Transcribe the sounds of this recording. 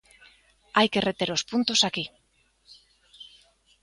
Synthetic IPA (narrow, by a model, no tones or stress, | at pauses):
ajke̞ret̪e̞ɾospunt̪osaki